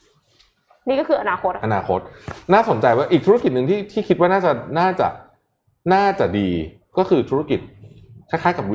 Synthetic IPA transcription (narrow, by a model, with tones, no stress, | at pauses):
niː˦˥kɔ˥˩ɯː˧ʔa˧naː˧kʰo˦˥ʔa˧naː˧xʰo˦˥t̪̚naː˥˩so˨˩˦nt͡ɕa˧jwaː˥˩ʔi˨˩t̪ʰuː˦˥ki˨˩t̪̚nɯ˨ŋt̪ʰiː˥˩t̪ʰiː˥˩kʰi˦˥t̪̚waː˥˩naː˥˩t͡ɕa˨˩naː˥˩t͡ɕa̰˨˩ʔ | naː˥˩t͡ɕa˨˩ʔdiː˧ | kɔː˥˩kʰɯː˧t̪ʰu˦˥a˥˩ki˨˩t̪̚ | kʰa˦˥˩jkʰaː˦˥˩jka˨˩˦